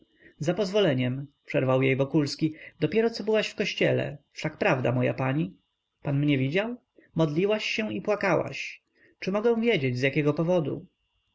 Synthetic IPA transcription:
zapɔzvɔlɛɲɛmpʂɛɾvawjejvɔkulskʲid̪ɔpʲjɛɾɔt̪sɔbɘwaɕfkɔɕt͡ɕɛlɛ̰fʂakpɾavd̪a̰mɔja̰paɲi | panmɲɛvʲid͡ʑaw | mɔd̪lʲiwaɕːɛipwakawa̰ɕ | t͡ʂɘmɔɡɛ̃w̃vʲjed͡ʑed͡ʑzʲjakʲɛɡɔpɔvɔd̪ṵ

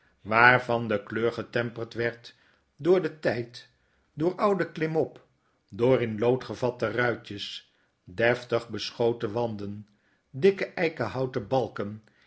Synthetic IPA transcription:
ʋaːɹvɑndəkløːɹχətɛmpəltʋɛɹt | dʊːɹdətɛjt | dʊːɹʔʌwdəklɪmɔp | dʊːɹɪnlowtχəvɑtərœɥtəs | dɛftəχbəsχowtəʋɑndən | dɪkəʔɛjkəɦɑwtəbɑlˠkən

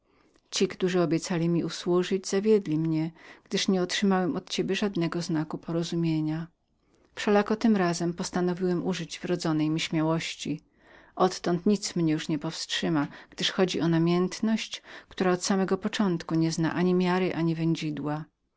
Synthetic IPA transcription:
t͡ɕikt̪uʐɘɔbʲjɛt̪salʲimʲiuswuʐɘd͡ʑzavʲjɛd̪lʲimɲɛɡ̥d̪ɘʂɲɛɔtʂɘmawɛmʔɔt̪t͡ɕebʲjɛʐad̪nɛɡɔznakupʰɔɾɔzumʲjeɲa | fʂɛlakɔt̪ɘmɾazɛmpɔst̪anɔvʲiwɛmʔuʐɘd͡ʑvɾɔd̪zɔnɛjmʲiɕmʲjawɔɕt͡ɕi | ʔɔt̪ːɔnt̪ɲit̪smɲɛjuʂɲɛpɔfstʂɘmaɡ̥d̪ɘʂxɔd͡ʑiʔɔnamʲjɛnt̪nɔɕt͡ɕkt̪uɾaɔt̪samɛɡɔpɔt͡ʂɔnt̪kuɲɛzna̰ʔaɲimʲjaɾɘʔaɲivɛɲd͡ʑid̪wa

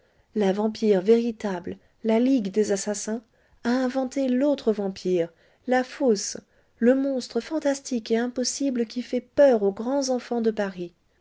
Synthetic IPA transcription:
lavɑ̃piʁveʁit̪abl | laliɡd̪ezasasɛ̃ | aɛ̃vɑ̃t̪elot̪χəvɑ̃pʰiʁ | lafos | ləmɔ̃st̪χəfɑ̃t̪ast̪ikeɛ̃pɔsibləkʲifɛpœʁoɡʁɑ̃zɑ̃fɑ̃d̪əpaʁi

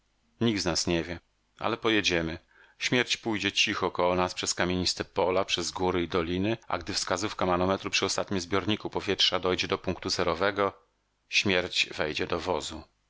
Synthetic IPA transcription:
ɲiɡ̚d̪znasɲɛvʲjɛ | ʔa̰lɛpɔjɛd͡ʑɛmɘ | ɕmʲjɛɾt͡ɕpujd͡ʑɛt͡ɕixɔːkɔwɔnaspʂɛskamʲeɲist̪ɛpɔlapʂɛzɡuɾɘid̪ɔlʲinɘa̰ɡd̪ɘfskazufkamanɔmɛt̪ɾupʂɘɔst̪at̪̚ɲimzbʲjɔɾɲikupɔvʲjɛtʂad̪ɔjd͡ʑɛd̪ɔpuŋkt̪uzɛɾɔvɛɡɔ | ɕmʲjɛɾt͡ɕvɛjd͡ʑɛd̪ɔvɔzu

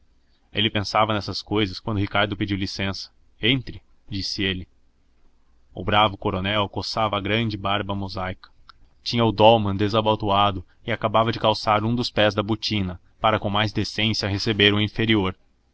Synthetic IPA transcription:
elɪpẽsavɐnɛsɐskojzɐskwɐ̃nd̪ʊɦikaɾd̪ʊped͡ʒiwlisẽsɐ̥ | ẽnt̪ɾɪ | d͡ʒisɪelɪ | ʊ̰bɾavʊkoɾonɛwkosavɐːɡɾɐ̃d͡ʒɪbaɾbɐmozajkɐ̥ | t͡ʃĩɲɐʊd̪ɔwmɐ̃d̪ezabat̪uad̪ʊ | ɪakabavɐd͡ʒɪkawsaɾũd̪ʊspɛzd̪ɐbot͡ʃĩnɐ | paɾɐkõmajzd̪esẽsiɐɦesebeɾũĩfeɾioɾ

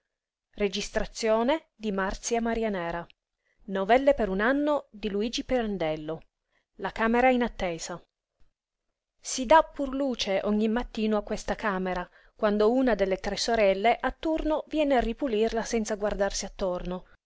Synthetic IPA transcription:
red͡ʒist̪ɾat̪sːjoːne | d̪imart̪sjamaɾianɛːɾa | novɛlːepeɾunanːod̪iluiːd͡ʒipeɾand̪ɛlːo | lakaːmeɾainat̪ːeːz̥a | sid̪apːurluːt͡ʃeʔɔɲːimːat̪ːiːnoakːwest̪akaːmeɾa | kwand̪ounad̪elːet̪ɾɛsːoɾɛlːeʔat̪ːurnovjɛːnearːipulirlasɛnt̪saɡward̪arsiat̪ːorno

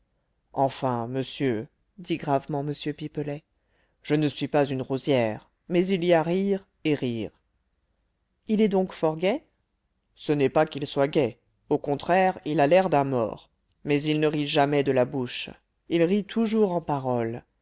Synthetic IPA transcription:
ɑ̃fɛ̃məsjø | d̪iɡʁavmɑ̃məsjøpipəlɛ | ʒ̥ənəsɥipazynʁozjɛʁ | mɛziliaʁiʁ | eʁiːʁ | ilɛd̪ɔ̃kfɔʁɡɛ | sənɛpakilswaɡɛ | okɔ̃t̪χɛʁilalɛʁd̪ɛ̃mɔ̰ːʁ | mɛzilnəʁivʒamɛd̪əlabuʃ | ilʁit̪ʰuʒuʁɑ̃paʁɔl

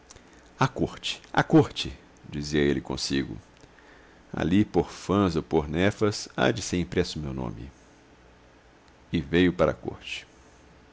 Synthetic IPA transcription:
akoɾt͡ʃɪ̥a̰koɾt͡ʃɪ | d͡ʒiziɐelɪkõ̰siɡʊ̰ | a̰lipoɾfɐ̃zopoɾnɛfɐsa̰d͡ʒɪseɾĩpɾɛsʊmewnõ̰mɪ̰ | ɪvejʊpaɾɐ̰ko̰ɾt͡ʃɪ̥

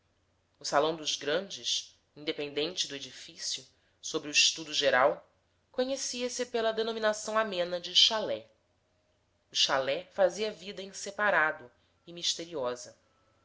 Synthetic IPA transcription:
ʊsalɐ̃w̃d̪ʊzɡɾɐ̃nd͡ʒɪs | ĩnd̪epẽnd̪ẽnt͡ʃɪd̪ʊed͡ʒifisjʊ | sobɾuiʃt̪ud̪ʊʒeɾaw | koɲesiɐsɪpelɐd̪enominasɐ̃w̃amẽnɐd͡ʒɪʃalɛ | ʊʃalɛfaziɐvid̪ɐĩsepaɾad̪ʊ | ɪmiʃt̪eɾiɔzɐ

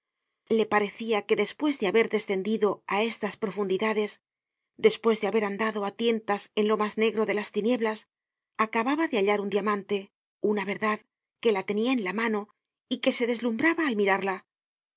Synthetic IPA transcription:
le̞paɾe̞θiake̞ðe̞spwe̞zðe̞aβe̞ɾðe̞sθe̞nd̪iðo̞ae̞st̪aspɾo̞fund̪iðaðe̞s | d̪e̞spwe̞zðeaβe̞ɾand̪aðo̞at̪je̞nt̪ase̞nlo̞mazne̞ɣɾo̞ðe̞last̪inje̞βlas | akaβaβaðe̞aʎaɾund̪jamãnt̪e̞ | unaβe̞ɾðað | ke̞lat̪e̞niaenlamano̞ | ike̞se̞ðe̞zlumbɾaβaːlmiɾaɾla

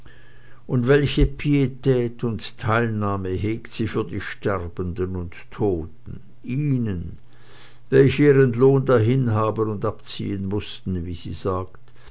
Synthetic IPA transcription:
ʔʊndvɛlçəpʰietʰɛːtʊntʰːaɪlnaːməɦeːktz̥iːfyːɐdiːʃtɛʁbəndənʊntʰːoːtn̩ | ʔiːnən | vɛlçəiːʁənloːndaɦɪnɦaːbənʊndapt͡sḭːənmʊstn̩vizḭːzaːkt

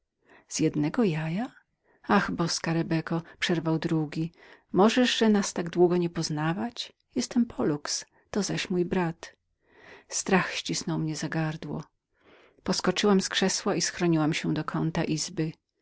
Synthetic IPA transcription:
z̥jɛd̪nɛɡɔjaja | axbɔskaɾɛbɛkɔpʂɛɾvawd̪ɾuɡʲimɔʐɛʐʐɛnast̪aɡd̪wuɡɔɲɛpɔznavat͡ɕ | jɛst̪ɛmpʰɔluks | t̪ɔzaɕmujbɾat̪ | st̪ɾaxɕt͡ɕisnɔwmɲɛzaɡaɾd̪wɔ̰ | pɔskɔt͡ʂɘwamskʂɛswaisxɾɔɲiwamɕɛd̪ɔkʰɔnt̪aʔizbɘ

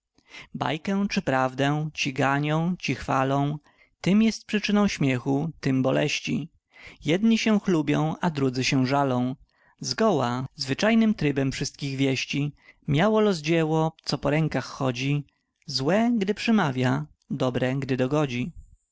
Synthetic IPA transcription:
ba̰jkɛ̃t͡ʂɘpɾavd̪ɛ̃t͡ɕiɡaɲɔ̃w̃t͡ɕixfalɔ̃w̃ | t̪ɘmjɛst̪̚pʂɘt͡ʂɘnɔ̃w̃ɕmʲjɛxut̪ɘmbɔlɛ̰ɕt͡ɕḭ | jɛd̪ɲiɕɛw̃xlubʲjɔ̃w̃ad̪ɾud̪zɘɕɛʐalɔ̃w̃ | zɡɔwazvɘt͡ʂajnɘmt̪ɾɘbɛmfʂɘst̪̚kʲiɣvʲjɛɕt͡ɕimʲjawɔlɔzd͡ʑɛwɔt̪sɔpɔɾɛŋkaxːɔd͡ʑi | zwɛɡd̪ɘpʂɛmavʲja | d̪ɔbɾɛɡd̪ɘd̪ɔɡɔd͡ʑi

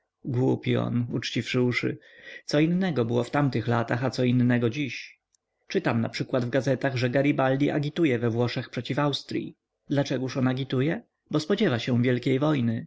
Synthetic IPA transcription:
ɡwupʲiɔ̰nut͡ʂt͡ɕifʂɘuʂɘ̰ | t̪sɔinːɛɡɔbɘwɔft̪amt̪ɘxlat̪axat̪sɔinːɛɡɔd͡ʑiɕ | t͡ʂɘt̪amna̰pʂɘkwad̪vɡazɛt̪aɣʐɛɡaɾʲibald̪ʲiʔa̰ɡʲit̪ujɛvɛvwɔʂɛxpʂɛt͡ɕifawst̪ɾʲjḭ | d̪lat͡ʂɛɡuʂɔnaɡʲit̪ujɛ | bɔspɔd͡ʑɛvaɕɛ̃vʲjɛlkʲejvɔjnɘ

